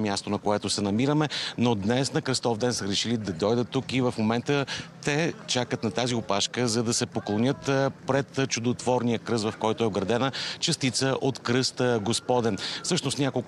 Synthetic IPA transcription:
mʲjast̪onɐkoɛt̪ʊsɛnɐmiɾəmɛnod̪nɛsnɐkɾəst̪ɔvd̪ɛnsəɾɛʃilid̪ɐd̪ɔjd̪ət̪ːukivəfmomɛnt̪ət̪ɛt͡ʃakət̪nɐt̪aziopaʃkəzɐd̪ɐsɛpoklˠonʲɤt̪pɾɛt̪t͡ʃʊd̪ot̪vɔɾnijəkɾɤsvɐfkɔjt̪oɛoɡɾɐd̪ɛnət͡ʃəst̪it̪səʔot̪kɾɤst̪ɡospɔd̪ɛnfsɤʃnost̪nʲakolˠk

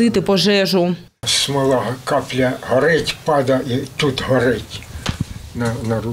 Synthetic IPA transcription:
ɪt̪ɪpɔʒɛʒʊ | smɪlˠɑɦkɑplʲɐɦɔɾɪtʲpɑd̪ɐit̪ut̪ɦɔɾɪtʲ | nɐnɐru

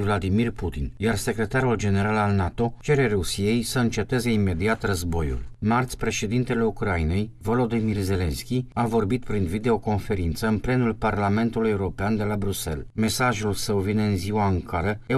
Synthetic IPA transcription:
vlad̪imirput̪injarse̞kɾe̞t̪aɾuld͡ʒe̞ne̞ɾalalnat̪o̞t͡ʃe̞ɾe̞ɾusije̞jsəɨnt͡ʃe̞t̪e̞ze̞ime̞d̪iat̪rəzbo̞jṵlmart̪sʲpɾe̞ʃe̞d̪int̪e̞le̞ukɾaine̞jvo̞lo̞d̪imirze̞le̞nskʲiavo̞rbit̪̚pɾinvid̪e̞o̞ko̞nfe̞ɾint̪səɨnple̞nulparlame̞nt̪ulujeuɾo̞peand̪e̞labɾuse̞̰lme̞saʒulsəwvineɨnziwaɨŋkʰaɾəe

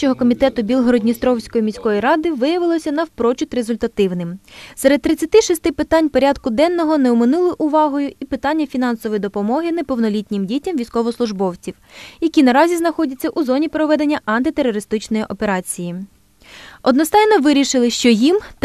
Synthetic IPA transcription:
t͡ʃɔɦɔkɔmʲit̪ɛt̪ʊbʲilˠɦɔɾɔdʲnʲist̪ɾɔwsʲkɔjimʲisʲkɔjiɾɑd̪ɪʋɪjɐʋɪlˠɔsʲɐnɐwpɾɔt͡ʃʲʊt̪ɾezʊlʲt̪ɐt̪ɪwnɪmsɛɾed̪̚t̪ːɾɪt͡sʲːɐt̪ɪʃist̪ɪpɪt̪ɑnʲpɔɾʲɑd̪kʊd̪ɛnːɔɦɔnɛʊmɪnulˠɪʔʊʋɑɦɔjʊipɪt̪ɑnʲːɐfʲinɑnsɔʋɔjid̪ɔpɔmɔɦɪnepɔwnɔlʲitʲnʲɪmdʲitʲɐmʋʲijsʲkɔʋɔslˠʊʒbɔwt͡sʲiwjɐkʲinɐɾɑzʲiznɐxɔdʲɐt͡sʲːɐʔuzɔnʲipɾɔʋɛd̪e̞nʲːɐʔɐnt̪ɪt̪eɾɔɾɪst̪ɪt͡ʃnɔjiʔɔpe̞ɾɑt͡sʲiji | ɔd̪nɔst̪ɑjnɔʋɪɾʲiʃɪlˠɪʃt͡ʃɔjim

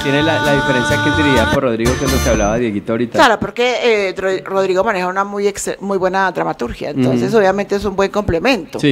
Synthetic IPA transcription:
t̪jenelalaðifeɾensjakezd̪iɾiiaporoðɾiɣokwand̪oseaβlaβaðjeɣit̪aɾit̪alaɾopo̞ɾkeroro̞ð̞ɾiɣomane̞xaunamujeksemujβwe̞naðɾamat̪uɾxja̰ent̪o̞nse̞s̬o̞βjamẽ̞nt̪e̞es̬umbwe̞ŋko̞mple̞mẽ̞nt̪osi

